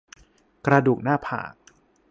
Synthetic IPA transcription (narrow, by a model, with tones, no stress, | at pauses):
kɾa˧duː˨˩k̚naː˥˩pʰa̰ː˨˩k̚